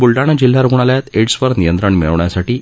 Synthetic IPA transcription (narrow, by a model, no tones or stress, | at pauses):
bulɖaɽ̃əd͡ʑil̤ːaɾəɡuɳaljat̪eʈsʋəɾnijənt̪ɾəɳmḭɭʋɳjasaʈiː